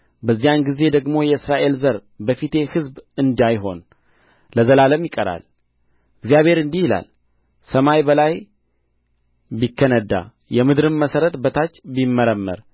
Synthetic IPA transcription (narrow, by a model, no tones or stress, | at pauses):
bəzːijanɡize̞d̪əɡmo̞jɛɨsɾaʔe̞lzəɾbəfit̪e̞hɨzbɨnd̪ajɦo̞n | ləzəlaləmjɪkʼəɾa̰l | ɨɡzijaβhe̞ɾɨnd̪ihjɪla̰l | səmajbəlaj | bikːənəd̪ːa̰ | jɛmɨd̪ɾɨnməsəɾət̪bət̪ʰat͡ʃːbimːəɾəmːə̰ɾ